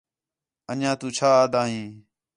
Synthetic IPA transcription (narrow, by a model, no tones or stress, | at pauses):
ənjãːt̪ũːt͡ʃʰaːd̪ãːɦĩː